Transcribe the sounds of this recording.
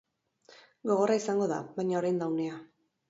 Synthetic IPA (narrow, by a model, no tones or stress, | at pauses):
ɡo̞ɣ̞o̞raisaŋɡo̞ða̰βajɲaoɾajnd̪awne̞a